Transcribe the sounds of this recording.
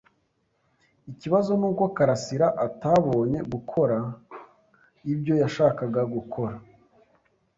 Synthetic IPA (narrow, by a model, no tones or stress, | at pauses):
iciβazo̞nuːko̞kaɾasiɾaʔataːβo̞ːɲe̞ɡukʰo̞ɾa | ibjo̞jaʃaːkaɡaɡukʰo̞ɾa